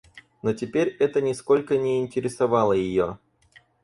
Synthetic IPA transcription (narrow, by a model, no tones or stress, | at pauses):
notʲɪpʲeɾʲɛt̪ənʲɪsko̞lʲkənʲɪːnʲtʲɪɾʲɪsɐvɑlˠəjɪjo